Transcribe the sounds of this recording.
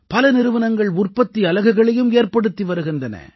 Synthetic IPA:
pɐlɐnɪɾɯʋɐnɐŋɡɐɭʊrpɐt̪ːiɐlɐɣɐɣɐɭɐjɯmeːrpɐɽɯt̪ːiʋɐɾɯɣɪndɐnɐ̰

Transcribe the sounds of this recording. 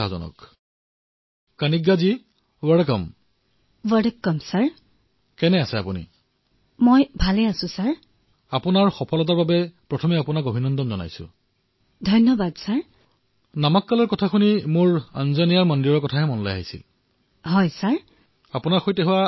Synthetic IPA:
azɔ̰nɔ̰k | kanikɡazi | wɛkɔm | wadkːɔmsaɹ | kɛnɛasɛapunḭ | mojbʱalɛasʊ̃saɹ | apunaɹxɔpʰɔlɔt̬aɹbabɛpɹɔtʰɔmɛapunaɡobʱinɔndɔmzɔna̰jsʊ̰ | dʱɔjnɔbadsaɹ | namakːalɔɹkɔtʰakʰunimʊɹa̰nzanijaɹmɔndiɹɔɹkɔtʰaɦɛmɔnlajaɦisḭl | ɦɔjsaɹ | apunaɹxojtɛɦʊwa

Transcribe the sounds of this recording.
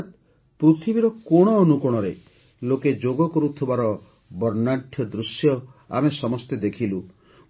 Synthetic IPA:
t̪ | pɾut̪ʰibiɾɔkɔɽ̃ɔːnukɔɽ̃ɔɾḛ | loked͡ʒoɡɔkɔɾut̪ʰibaɾɔ | bɔɾnaʈʰjɔd̪ɾusjɔa̰mesɔmɔst̪ed̪ekʰilu

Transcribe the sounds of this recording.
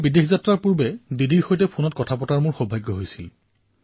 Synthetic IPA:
bidexʰzatɹaɹpuɹbɛdidiɹxojtɛpʰunɔt̚kɔtʰapɔtaɹmʊɹxɔbʱajɡːɔɦojsil

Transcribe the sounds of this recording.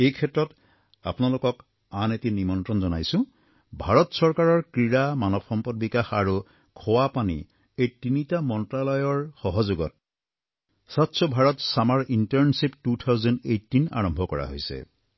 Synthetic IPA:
ejkʰɛtɹɔt | a̰pʊnalʊkɔk | anetinimɔntɹɔnzɔnajsʊ̃ | bʱaɹɔtsɔɹkaɹɔɹkɹiɹamanɔbxɔmpɔdbikaxaɹu | kʰɔwapanḭ | ejtinitamɔntɹalɔjɔɹxɔɦɔzuɡɔ̰t̚ | satsɔbʱaɹɔtsamaɹʔintɔɹnsiptutʰawzɔndejtːina̰ɹɔmbʱɔkɔɹa̰ɦo̰jsɛ̰

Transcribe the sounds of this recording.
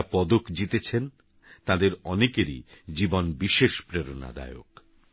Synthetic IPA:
pɔd̪okd͡ʑit̪et͡ɕʰen | t̪ãd̪eɾɔnekeɾḭd͡ʑibonbiʃeʃpɾeɾona̰d̪a̰eo̰k

